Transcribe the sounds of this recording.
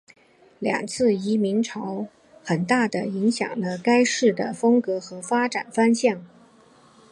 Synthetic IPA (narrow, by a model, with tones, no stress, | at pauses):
ljɑ̰˨˩ŋt͡sʰɹ̩˥˩i˧˥mi˧˥nʈ͡ʂʰɑ˧˥ʊ | xə˨˩nt̪a˥˩d̪ə˩i˧˥ŋɕjɑ̰˨˩ŋlə˦ka˥ɪʂɻ̩˥˩d̪ə˩fɤ˥ŋkɤ˧˥xɤ˧˥fa˥ʈ͡ʂa˨˩nfa˥nɕjɑ˥˩ŋ